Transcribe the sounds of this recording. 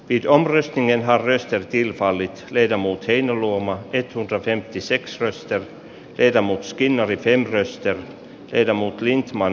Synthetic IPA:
viːd̪ɔmɾœst̪nɪŋənɦaɾːœst̪əɾt̪ʰɪlfalːɪt̪leːd̪amuːt̪hɛɪnalumaʔɛt̪ːhɵnd̪ɾafɛmt̪ɪsɛksɾœst̪əɾ | lʔeːd̪amuːt̪skɪnːaɾɪfɛmːɾœst̪əɾ | leːd̪amuːt̪lɪnt̪man

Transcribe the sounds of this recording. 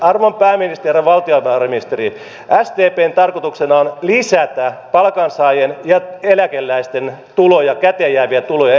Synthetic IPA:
ɑrʋompæːminist̪ereʋɑlt̪iopæːrmiist̪eri | ʔæst̪eːpeːnt̪ɑrkot̪uksenɑonlisæt̪æpɑlkɑnsɑijenjɑelækelːæist̪ent̪ulojɑkæt̪ejæːʋiæt̪ulojɑ

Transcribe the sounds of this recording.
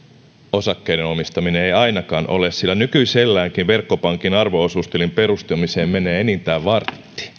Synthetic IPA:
o̞sɑkːe̞jdeno̞mist̪ɑmineejɑjnɑkɑːnʔo̞̰lessilːænykyiselːæːŋkiʋʋerkːo̞pɑŋkinɑrʋo̞osust̪elimpe̞ɾust̪umise̞ːmme̞neːenint̪æːʋɑrt̪ːi̥

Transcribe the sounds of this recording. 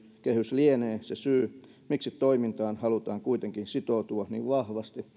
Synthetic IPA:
kehyslieneːsesyː | miksit̪t̪oimint̪ɑːnhɑlut̪ɑːŋkuit̪eŋkinsit̪oˑt̪uɑnḭːʋʋɑhʋɑst̪i

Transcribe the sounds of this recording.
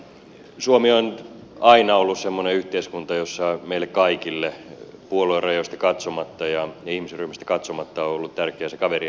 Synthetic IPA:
suomionɑinɑolːussemːoneyht̪eiskunt̪ɑjosːɑmeilːekkɑikilːepuoloirɑjoist̪ɑkɑt̪somɑt̪ːɑjɑjɑihmiseryhmist̪æ̥kɑt̪somɑt̪ːɑoolːut̪t̪ærkeæsekɑʋeri

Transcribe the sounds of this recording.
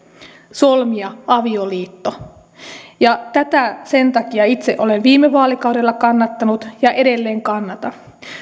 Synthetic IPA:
solmiɑɑʋioliːt̪ːo | jɑt̪æt̪æse̞nt̪ɑkiɑit̪sḛʔo̞lenʋiːmːeʋɑːlikɑwde̞lːɑkɑnːɑt̪ːɑnut̪jɑʔe̞de̞lːeːŋkɑnːɑt̪ɑ

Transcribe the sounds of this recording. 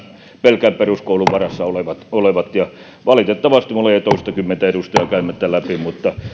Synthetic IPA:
pelkæmperuskouluʋʋɑrɑsːɑoleʋɑt̪oleʋɑt̪jɑ | ʋɑlit̪et̪ːɑʋɑst̪imulːeet̪oist̪ɑkymːent̪æeɾust̪ɑɑkæymːæt̪ːælæpimut̪ːɑ

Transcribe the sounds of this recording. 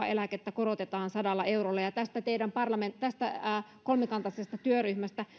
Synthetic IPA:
ɑ̰elæket̪ːækoɾot̪et̪ɑːnsɑdɑlːɑe̞uɾolːɑjɑt̪æst̪æt̪eidæmpɑrlɑment̪æst̪æːkolmekɑnt̪ɑsest̪ɑt̪yøryhmæst̪æ

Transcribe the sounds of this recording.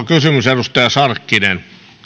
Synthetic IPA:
kysymyserust̪ɑjɑsɑrkːinen

